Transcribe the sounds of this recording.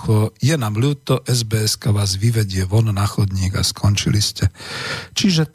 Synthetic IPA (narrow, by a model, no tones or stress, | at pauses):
xɔjɛnaːmluːt̪ɔʔɛzbɛɛskaʋaːzʋiʋɛɟɪɛʋɔnɔnaːxɔd̪ɲiːɡa̰skʰɔnt͡ʃiliscɛt͡ʃiʒɛ